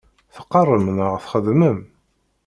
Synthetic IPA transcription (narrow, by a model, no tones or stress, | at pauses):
θə̥qːərˤːəmnəʁθχəðməm